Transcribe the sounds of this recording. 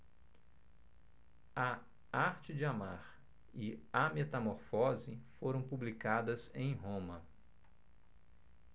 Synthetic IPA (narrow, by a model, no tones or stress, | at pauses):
ɐ | aɾt͡ʃɪd͡ʒɪama̰ɾ | ɪamet̪ɐmoɾfɔzɪfoɾɐ̃w̃publikad̪ɐzẽj̃ɦõmɐ